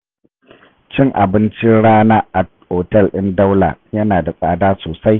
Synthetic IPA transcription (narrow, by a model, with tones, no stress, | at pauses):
t͡ʃɪ˦ŋʔa̰˨bɪ˦nt͡ʃɪ˦ɽaː˦naː˦ʔa˨ | hoː˨tɛ˦˨lʔɪ˦nda˦wla̰˨jɐ˦naː˨da˨sʼaː˨daː˦soː˨sa˦j